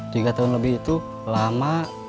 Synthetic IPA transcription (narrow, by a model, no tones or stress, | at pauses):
t̪iɡat̪aʊnləbihit̪u | lama